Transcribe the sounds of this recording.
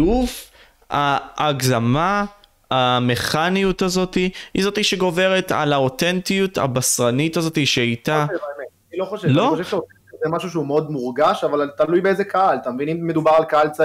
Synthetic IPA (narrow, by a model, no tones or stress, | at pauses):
uf | aʔːɡzama | ame̞χanijutazo̞tihḭzo̞t̪iʃeɡo̞ve̞ʁeta̰lao̞tent̪ijuta̰basʁanitazo̞tiʃeajtaevaemetanilo̞χoʃelaoi̞xoʃevʃeoseʃezemaʃuʃeumeo̞d̪muʁɡaʃavalt̪alujbeezekaalt̪amvinimmed̪ubaʁalkaalt͡sa